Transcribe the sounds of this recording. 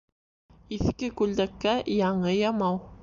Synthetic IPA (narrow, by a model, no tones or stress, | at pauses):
iθkɘkʉld̪ækːæjɑɴɤjɑmɑw